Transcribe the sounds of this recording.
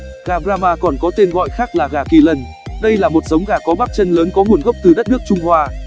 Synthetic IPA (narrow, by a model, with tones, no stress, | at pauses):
ɣaː˨˩ɓɾaː˧maː˧kɔ˨˩nkɔ˨˦t̪e˧nɣɔ̰˧˨jxaː˦˥k̚laː˨˩ɣaː˧˩ki˧˩lə˧n | ɗə˧jlaː˨˩mo˨˩t̚zə˨˦wŋ͡mɣaː˧˩kɔ˨˦ɓaː˦˥k̚t͡ɕə˧nləː˨˦nkɔ˨˦ŋu˨˩ənɣə˦˥wk͡p̚t̪ɨ˨˩ɗə˦˥t̚nɨ˦˥ək̚t͡ɕʊ˧ŋ͡mhwaː˧